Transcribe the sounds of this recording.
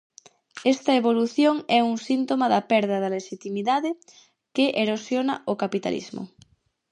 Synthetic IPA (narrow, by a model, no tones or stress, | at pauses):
ɛst̪ɐeβoluθjoŋɛuŋsint̪omaðɐpɛɾðɐðɐleʃit̪imiðaðe | keʔeɾosjona̰okapit̪a̰lḭzmo̰